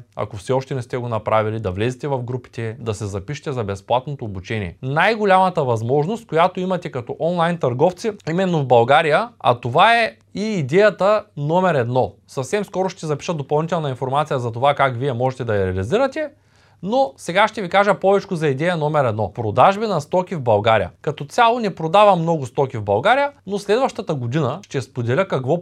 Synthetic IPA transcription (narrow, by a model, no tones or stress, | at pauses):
ɐ̰kofsɛɔʃt̪ɛnɛst̪ɛɡonɐpɾavilid̪ɐvlɛzit̪ɛvɐfɡɾupi̥t̪ɛd̪ɐsɛzɐpiʃɛ̥t̪ɛzɐbɛsplˠat̪not̪oːbut͡ʃɛnḭɛ̰najɡolʲamɐt̪əvɐzmɔʒnost̪̚kojat̪oimɐt̪ɛkɐt̪ɔʔɔnlˠajnt̪ɐɾɡɔft̪siimɛnːovbɐlˠɡaɾijəɐ̰t̪ovaɛ | iːd̪ɛjɐt̪ənɔmɛɾɛd̪nɔsɐfsɛmskɔɾoʃt̪ɛzɐpi̥ʃət̪d̪opɐlˠnit̪ɛlˠnɐinfoɾmat̪sijəzɐt̪ovakakviɛmɔʒɛt̪ɛd̪ɐjɐɾɛɐliziɾət̪ɛ | nosɛɡaʃt̪ɛvikaʒəpɔvɛt͡ʃkʊzɐid̪ɛjɐnɔmɛɾɛd̪nɔpɾod̪aʒbinɐst̪ɔkʲivbɐlˠɡaɾḭjə̰kɐt̪ɔt̪sʲalˠonɛpɾod̪avɐmnɔɡʊst̪ɔkʲivbɐlˠɡaɾijənoslɛd̪vɐʃt̪ət̪əɡod̪inəʃt̪ɛspod̪ɛlʲəkɐkvɔ